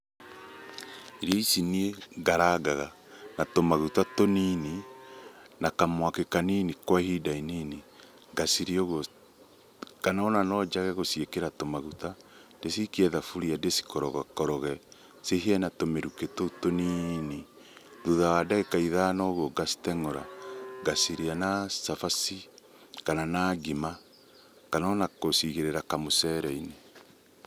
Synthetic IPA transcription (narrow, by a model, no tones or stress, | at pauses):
iɾɔisinieɡaɾaɡaɣa | natomaɣutatonini | nakamwakekaninikwahidainini | ŋɡasiɾioɣɔ | kanaonanɔd͡ʒaɣɛɣosiekeɾatomaɣutandesikiɛðafuɾiadesi̥kɔɾɔɣakɔɾɔɣɛ | seɦiɛnatomeɾuketotonine | ðuðawadaɣekaiðaːnɔɣwɔɡasi̥tɛŋɔɾa̰ɡasiɾianasafasi | kananaɡima | kanaɔnakosiɣeɾeɾakamosɛɾɛine